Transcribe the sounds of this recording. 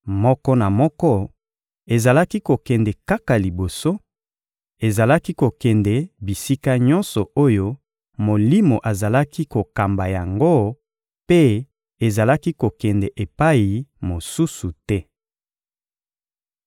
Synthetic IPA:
mɔ˦kɔ˦na˨mɔ˦kɔ˦ | e˨za˨la˦ki˦ko˨kɛ˨ndɛ˨ka˦ka˨li˨bo˨so˦ | e˨za˨la˦ki˦ko˨kɛ˨ndɛ˨bi˨si˦ka˦ɲɔ̃˦nsɔ˨o˦jo˦ | mo˨li˦mo˨ʔa˨za˨la˦ki˦ko˨ka˨mba˨ja˨ŋɡo˦ | pe˦ | e˨za˨la˦ki˦ko˨kɛ˨ndɛ˨ʔe˨pa˦ji˨mo˨su˦su˨tɛ˦

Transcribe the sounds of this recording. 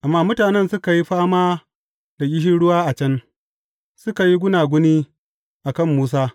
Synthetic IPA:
ʔa˨mːaː˦mʊ˦taː˨nɛ˦nsʊ˦ka˨ji˦ɸaː˦maː˦ | da˨ʔʲɪ˦ɦi˦ɽʊ˦waː˦ʔa˨t͡ʃɐ˦n | sʊ˦ka˨ji˦ɡʷʊ˦naː˨ɡʷʊ˦niː˦ | ʔa˨kɐ˦˨mːuː˦s̬aː˦

